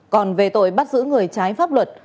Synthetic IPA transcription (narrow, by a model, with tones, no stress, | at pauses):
kɔ˨˩nve˨˩t̪o̰˧˨jɓa˦˥t̚zɨ̰˧˥ŋɨ˨˩əjt͡ɕaː˨˦jfaː˦˥p̚lwə˨˩t̚